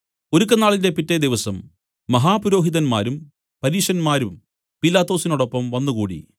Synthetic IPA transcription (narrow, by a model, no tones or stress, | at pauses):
oɾukːɐnːaːɭinde̞pitːed̪iʋɐsɐmː | ɐɦaːpuɾo̞ːɦiðɐnma̰ːɾum | pɐɾiːʂɐnmaːɾum | pilaːt̪ːo̞ːsinuɽo̞pːɐmʋɐnːuɣuːɽḭ